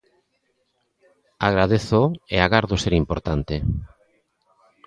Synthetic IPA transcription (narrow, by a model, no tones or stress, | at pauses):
aɣɾað̞eθoeaɣaɾðoseɾimpoɾt̪ant̪e